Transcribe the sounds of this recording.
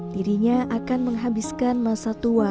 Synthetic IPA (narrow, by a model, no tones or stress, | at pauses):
diɾiɲaʔakanməŋɦabiskanmasat̪ua